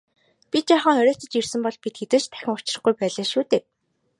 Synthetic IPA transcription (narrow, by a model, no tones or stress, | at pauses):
pʲit̪t͡ɕaːχə̆ŋœɾʲœːt̪ə̆t͡ɕirsɘ̆mpɔɮpit̪xet̪ɘ̆ɮt͡ɕt̪ʰæ̥xʲɪ̆ŋʊt͡ɕɪ̆rə̆χɡujpæːɮaːʃuːt̪eː